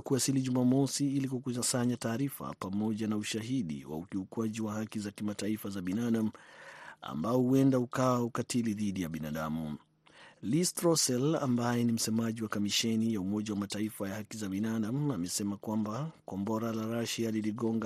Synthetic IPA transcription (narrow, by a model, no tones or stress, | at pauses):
kuasiliʄumamɔsiilikukuasaɲataːɾifa̰pamɔʄanauʃaɦiɗḭwa̰ukiukwaʄiwaɦakizakimataifazaɓinaɗam̩ | a̰mbaɔhuɛndahukawaukatiliðiɗijaɓina̰ɗamu | listɾɔsɛla̰mbajɛnim̩sɛmaʄiwakamiʃɛnijaumɔʄawamataifajahakizaɓinaɗamamɛsɛmakwambakɔmbɔɾalaɾaʃialiliɠɔŋɡa